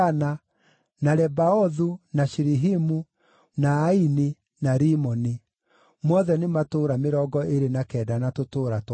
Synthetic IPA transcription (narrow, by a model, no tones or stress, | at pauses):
ana | naɾɛbaɔðunaʃiɾiɦimu | naːini | naɾimɔni | mɔðɛnematoːɾameɾɔɡɔeɾenakɛːdanatotoːɾat